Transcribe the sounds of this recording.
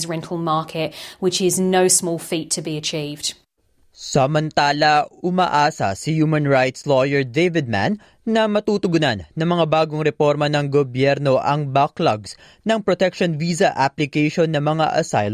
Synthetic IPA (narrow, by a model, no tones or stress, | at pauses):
zɹɛ̃ntʰˡl̩ˠmɑˑkʰɪʔwɪt͡ʃɪznoʊsmɔːlˠfiˑtʰəbiət͡ʃʰiːvd̥ | sɐmɐnt̪aːlɐʊmaʔaːsɐ̰sɪjuːmɐnɹajt̪slojɛɹd̪ejvɪd̪̚ma̰nː | ɐmɐt̪uːt̪ʊɡʊnanːɐŋmɐŋabaːɡoŋɾɛpo̞ɾmɐnɐŋɡobjɛɾno̞ʔɐŋbaklɐɡs | nɐŋpɾot̪ɛkʃonviːzɐʔaplɪkɛjʃonːɐmɐŋa̰ʔɐsaj